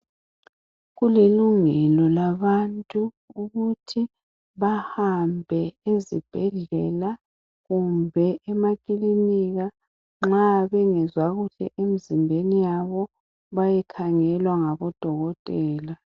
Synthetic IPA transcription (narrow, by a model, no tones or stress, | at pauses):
ɣuliluŋɛlɔlaβantʼuː | ɣutʰi | βahambʱɛezib̥ʱɛɮɛla | ɣumbʱɛʔɛmakʼiliniɣa | ŋ͡ǁaβɛŋɛzwaɣuɬɛ̰ʔemizimbʱenijaβɔ | βajɛkʰaŋɛlwaŋaβɔd̥ʱɔɣɔtʼɛːla